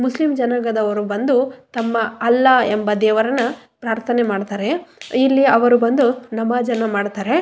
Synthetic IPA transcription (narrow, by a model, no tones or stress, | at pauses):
muslimd͡ʒɐnɐɡɐd̪ɐʋɐɾubɐnd̪ut̪ɐmːɐɐlːɐembɐd̪ɛːʋɐɾɐnːɐ | pɾaːɾt̪ʰɐnemaːɖt̪aːɾe̞ilːiɐʋɐɾubɐnd̪unɐmɐd͡ʒɐnɐmaːɖt̪aːɾe̞